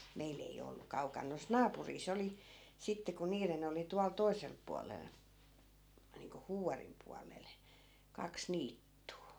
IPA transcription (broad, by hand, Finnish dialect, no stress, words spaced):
meil ei o olːu kɑukɑn nois nɑːpuriːs oli sitːe ku niːren oli tuɑl toi̯selp̆ puɑlel niːŋko huːʋɑrim puɑlel kɑks niːtːuː